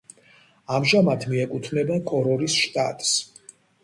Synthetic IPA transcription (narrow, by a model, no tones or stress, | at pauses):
amʒamat̪ʰmiɛkʼut̪ʰvnɛbakʰʼɔɾɔɾisʃt̪ʼa̰t̪ʼs